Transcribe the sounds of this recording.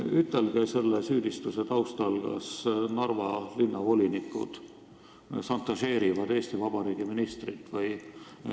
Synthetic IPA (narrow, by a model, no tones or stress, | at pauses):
yt̪ːˑelɡ̥ese̞lːesyːd̪ist̪use̞t̪ɑwst̪ɑlɡ̥ɑ̰snɑrvɑlinːɑvo̞lʲinikːˑṵd̪̥ | sɑnt̪ːˑɑʃe̞ːɾivɑd̪̥e̞ːst̪ivɑb̥ɑɾiːɡ̥iminist̪rit̪ːˑvɯj